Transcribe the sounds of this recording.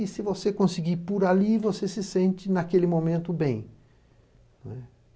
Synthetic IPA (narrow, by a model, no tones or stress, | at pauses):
ɪsɪvosekõsiɡipʊɾalivosesɪsẽnt͡ʃɪnakelɪmõmẽnt̪ʊbẽj̃ | nɛ